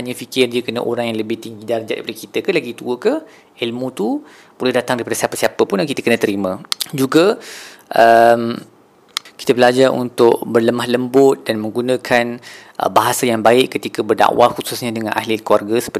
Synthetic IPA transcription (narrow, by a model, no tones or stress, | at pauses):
haɲãfikɪrdiəkənə̰ʔoɾaŋjaŋləbɪht̪iŋɡidard͡ʒa̰ʔda̰ipadakit̪əkalaɡit̪uəkə | ilmũt̪u | polʊhdat̪aŋdaɾipadasiapəsiapəpʊnakit̪əkənə̃t̪əɾimə̃d͡ʒuɡə | ʔəm | ki̥t̪əbəlad͡ʒarṵnt̪ʊʔ̚bərləmahləmbʊt̪̚danmə̃ŋɡunə̃kʰanʔə̰baɦasajaŋbaɪʔkːət̪ikəbərda̰ʔwaxususɲãdəŋã̰nʔa̰ɦlɪkuwarɡasə̥pə